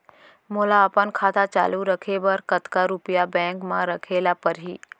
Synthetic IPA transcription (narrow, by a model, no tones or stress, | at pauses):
moːlaəpənkʰaːt̪at͡ʃa̰ːluɾəkʰebəɾkət̪kaɾupijabɛ̃ːŋkmãɾəkʰelapəɾɦiː